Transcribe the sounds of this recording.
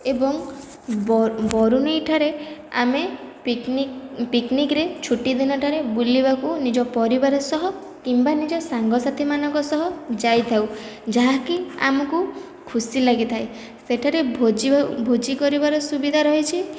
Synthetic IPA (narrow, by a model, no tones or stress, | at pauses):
ebɔŋ | bɔɾunejʈʰaɾea̰me | piknikɾet͡ʃʰuʈid̪inɔʈʰaɾebulibakunid͡ʒɔpɔɾibaɾɔsɔɦɔ | kimbanid͡ʒɔsaŋɡɔsat̪ʰimanɔŋkɔsɔɦɔd͡ʒajt̪ʰawd͡ʒaɦakia̰mɔku | kʰusilaɡit̪ʰaj | seʈʰaɾebʱod͡ʒibʱod͡ʒikɔɾibaɾɔsubid̪ʱaɾɔɦit͡ʃʰi